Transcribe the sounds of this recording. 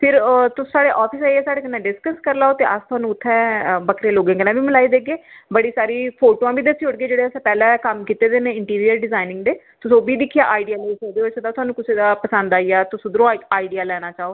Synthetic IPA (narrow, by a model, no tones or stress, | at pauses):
pʰɪɾt̪ʊsːsaːɽeːʔɔːpʰɪsaːiɛːsaːɽeːkənːãːɖɪskəskəɾlaːoːt̪eːʔəst̪ʰʊaːnũːʊt̪ʰːɛ̃ːbəkʰɾeːloːɡẽːkɡənãːbiːməlaːiːd̪eːɡeːbəɽiːsaːɾiːpʰoːʈoːãːbiːd̪əsiːʊɽɡeːd͡ʒeːɽeːəsãːpɛːlɛ̃ːkəmkiːt̪eːd̪eːneːɪɳʈiːɾijəɾɖɪzaːɪnɪ̃ŋɡd̪eː | t̪ʊsõːbiːd̪ɪkʰːijaːʔaːiɖijaːloːit͡ʃəkd̪eːosʰd̪aːt̪ʊaːnũːkɪseːd̪aːpəsə̃nd̪aːijaːt̪ʊsõːd̪ɾõaːiɖijaːlɛːɽ̃aːt͡ʃaːoː